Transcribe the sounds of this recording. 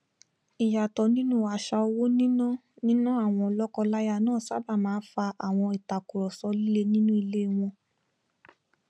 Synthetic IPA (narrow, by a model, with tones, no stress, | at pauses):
i˨ja˨tɔ˨nĩ˦nũ˦˨a˧˨ʃa˧o˧wo˦nĩ˦nã˦ | nĩ˦nã˦a˦˨w̃ɔ̃˧ɔ˧lɔ˦kɔ˧la˦ja˧˨nãː˦˨sa˦˨ba˦˨mãː˨˦fa˧ʔa˨w̃ɔ̃˧i˨ta˨ku˨ɾɔ˨sɔ˧li˦le˦nĩ˦nũ˦i˧le˦˨w̃ɔ̃˧